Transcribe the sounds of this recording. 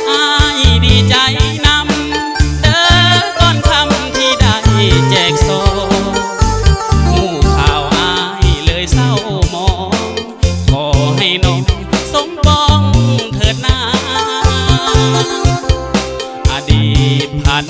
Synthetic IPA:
ʔaː˧jdiː˧˩t͡ɕa˧˦jna˧˥m | dɤː˧mt̪ɔː˧˩nk̪ʰa˧mt̪ʰiː˧˩da˧˩jt͡ɕɛː˨˩k̚sɔː˨˧˦ | huː˧˩kʰaː˨˩wʔaː˧jlɤː˧˦jsa˧˩wmɔː˨˦ | kʰɔː˨˦ɦa˥˩jnɔ˧˩ŋso˧˦ŋpɔː˧ŋt̪ʰɤː˨˩t̪̚naː˧˩ | ʔa˧diː˨˩t̪̚pʰa˨˧˦n

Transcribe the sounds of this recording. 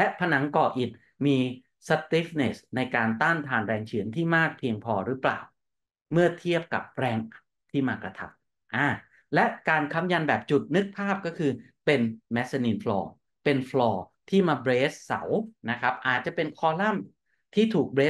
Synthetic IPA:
lɛ˦˥ʔpʰa˧na˩˦ŋkɔː˧˩ʔi˨˩t̪̚ | miː˧ | sa˧t̪iː˦˥fne˨˩sna˧jkaː˧nt̪a˥˩nt̪ʰaː˧nɾɛː˧ŋt͡ɕʰɯ˩˦ənt̪ʰiː˥˩maː˥˩k̚pʰi˧əŋpʰɔː˧ɾɯ˦˥pla̰ː˨˩w | mɯ˥˩ɐt̪ʰi˥˩əp̚ka̰˨˩p̚ɾɛː˧˩ŋ | t̪ʰiː˥˩maː˧kɾa˧t̪ʰa̰˦˥m̚ | ʔaː˧˩ | lɛ˦˥ʔkaː˧nkʰa˦˥mja˧nbɛː˨˩p̚t͡ɕu˨˩t̪̚nɯ˦˥k̚pʰaː˥˩p̚kɔ˥˩kʰɯː˧ | pe˧nmɛ˦˥sa˧niː˧nflɔ̰ː˧ | pe˧nfʰlɔː˧ | t̪ʰiː˥˩maː˧bɾeː˦˥s̚sa̰˩˦wna˦˥kʰɾa˦˥p̚ʔaː˨˩t̪̚t͡ɕa˨˩pe˧nkʰɔː˧la˥˩m | t̪ʰiː˥˩t̪ʰuː˨˩k̚bɾeː˦˥

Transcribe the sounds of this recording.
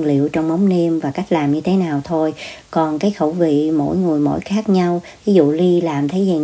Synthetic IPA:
ŋlḭ˧˨əwt͡ɕɔ˧wŋ͡mmə˨˦wŋ͡mne˧mvaː˨˩ka˦˥jk̟̚laː˨˩mɲɨ˧t̪ʰe˨˦naː˨˩wt̪ʰo˧jkɔ˨˩nkaː˨˦jxə̰˧˩wvḭ˧˨mo̰˧˥jŋɨ˨˩əjmo̰˧˥jxaː˦˥k̚ɲa˧wvi˨˦zṵ˧˨li˧laː˨˩mt̪ʰə˨˦jzi˨˩

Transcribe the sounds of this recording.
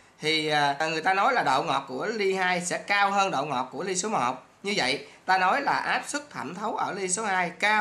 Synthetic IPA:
t̪ʰi˨˩əː˨˩ŋɨ˨˩əjt̪aː˧nɔ˨˦jlaː˨˩ɗo̰˧˨wŋɔ˨˩t̚ku˧˩əli˧haː˧jsɛ̰˧˥kaː˧wɦəː˧nɗo̰˧˨wŋɔ̰˨˩t̚ku˧˩əli˧so˨˦mo̰˨˩t̚ | ɲɨ˧və̰˧˨jt̪aː˧nɔ˨˦jlaː˨˩ʔaː˦˥p̚sɨ˦˥k̚t̪ʰə˧˩mt̪ʰə˨˦wʔəː˧˩li˧so˨˦haː˧jkaː˧

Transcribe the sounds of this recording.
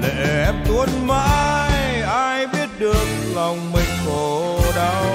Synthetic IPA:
lḛ˧˨ʔɛ˦˥p̚t̪u˧˦ənma̰ː˧jʔaː˧jɓi˦˥ət̚ɗɨ˨˩ək̚la˨˩wŋ͡mmi˨˩ŋ̟ko˧˩ | ɗa˧˦w

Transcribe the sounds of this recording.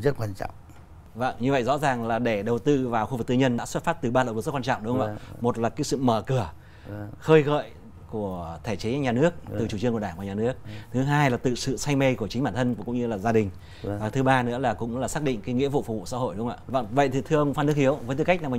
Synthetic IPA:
zə˦˥t̚kwaː˧nt͡ɕɔ̰˧˨wŋ͡m | və̰˧˩ŋɲɨ˧və̰˧˨jzɔ̰˧˥zaː˨˩ŋlaː˨˩ɗe˧˩ɗə˨˩wt̪ɨ˧vaː˨˩wxu˧vɨ˨˩k̚t̪ɨ̰˧ɲə˧nɗa̰ː˧˥swt̚faː˦˥t̚t̪ɨ˨˩ɓaː˧lːw̚zkwa˧t͡ɕɔ̰˧˨ŋ͡mɗʊ˨˦˧ə̰˧˨mo˨˩t̚laː˨˩kaː˨˦jsɨ̰˧˨məː˧˩kɨ˧˩ə | xəː˧jɣə̰ː˧˨j | ku˧˩ət̪ʰe˧˩t͡ɕe˨˦ɲaː˨˩nɨ˦˥ək̚t̪ɨ˨˩t͡ɕu˨˧˩i˧ənku˧˩əɗaː˧˩vaː˨˩ɲaː˨˩nɨ˦˥ək̚t̪ʰɨ˨˦ɦaː˧jlaː˨˩t̪ɨ̰˨˩sɨ̰˧˨sa˧jŋ̟me˧kət͡ɕi̟˨˦ɓaː˧˩nt̪ʰə˧n˧˩kʊ̰˧˥ŋ͡mɲɨ˧laː˨˩zaː˧ɗï˨˩ŋ̟˩ | vaː˨˩t̪ʰɨ˨˦ɓaː˧nɨ̰˧˥laː˨˩kʊ̰˧˥ŋ͡mlaː˨˩saː˦˥k̚ɗḭ̈˧˨ŋ̟kaː˨˦jŋḭ˧˥əvṵ˧˨fu˧˩vṵ˧˨sa̰˧˥ɦo̰˧˨jɗʊ˨˦ŋ͡ma̰ː˧˨və̰˧˨˩və̰˧˨jt̪ʰi˨˩t̪ʰɨ˧əʔə˧wŋ͡mfaː˧nɨ˦˥əhi˨˦əwvəː˨˦jt̪ɨ˨˧˩ka˦˥k̟̚na˨˩m˨

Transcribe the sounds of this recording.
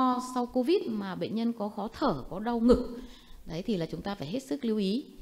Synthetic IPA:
sa˧wko˧vi˦˥t̚maː˨˩ɓḛ˧˨ŋ̟ɲə˧nkɔ˨˦xɔ˨˦t̪ʰəː˧˩kɔ˨˦ɗa˧wŋɨ˨˩k̚ɗə˨˦jt̪ʰi˨˩laː˨˩t͡ɕʊ˨˦ŋ͡mt̪aː˧faː˧˩jɦe˦˥t̚sɨ˦˥k̚li˨˧əwʔi˨˦

